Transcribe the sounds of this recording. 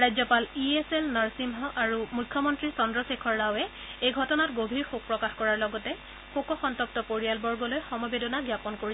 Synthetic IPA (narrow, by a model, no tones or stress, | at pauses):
ɹajd͡ʑzɔpalieselnaɹsimɦɔʔaɹumujkʰːjɔmɔntɹisɔndɹɔsekʰɔɹːawɛ | ejɡʱɔtɔnatɡobʱiɹxuk̚pɹɔkaxkɔɹaɹlɔɡɔtɛ | xukɔxɔntɔp̚tɔpoɹijalbɔɹɡɔlojxɔmɔbedɔnaɡjapɔnkoɹi